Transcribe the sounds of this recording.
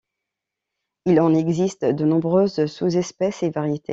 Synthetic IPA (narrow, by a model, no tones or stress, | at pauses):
ilɑ̃nɛɡzist̪d̪ənɔ̃bʁøzsuzɛspɛsevaʁjet̪ʰḛ